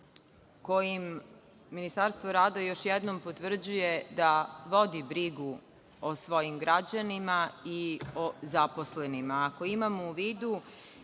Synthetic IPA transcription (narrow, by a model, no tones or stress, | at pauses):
ko̞jimː | inist̪aɾst̪ʋoɾaːd̪ajo̞ʃjɛd̪no̞mpot̪ʋr̩d͡ʑuje̞d̪aʋo̞d̪ibɾiɡu | osʋo̞jimɡɾad͡ʑanimaiozaposlenimaːko̞imamouʋiːd̪u